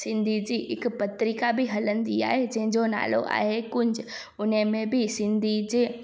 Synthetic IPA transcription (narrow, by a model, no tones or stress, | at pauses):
sɪ̃nd̪ʱid͡ʑiʔɪkpɐt̪ɾɪkabʱiɦɐlə̃nd̪ia̰ːɦed͡ʑɐ̃ɦɪ̃ɲd͡ʑona̰ːlo̰ʔa̰ːɦekʊɲd͡ʑʊ | ʊnəmẽbʱɪsɪ̃nd̪ʱid͡ʑeː